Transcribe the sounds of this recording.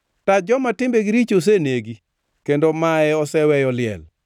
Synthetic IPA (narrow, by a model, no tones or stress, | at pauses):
tad͡ʒɔmatɪmbeɡiɾit͡ʃos̬eneɡi | kendomaɛɔsɛwɛjɔlɪɛ̰l